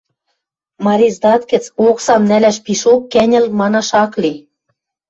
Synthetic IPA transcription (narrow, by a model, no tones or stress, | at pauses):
mɑɾʲizd̪ɑt̪kɘ̆t͡soksɑmnælæʃpiʃokːænʲɘ̆lmɑnɑʃɑkli